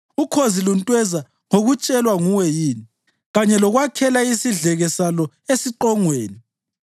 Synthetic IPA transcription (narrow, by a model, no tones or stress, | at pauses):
ukʰoziluntʼwɛza | ŋoɣut͡ʃʼɛlwaŋuwɛjiːni | ɣaɲɛlɔɣwakʰɛlaisiɮɛɣɛsalɔ | esiǃɔŋweːni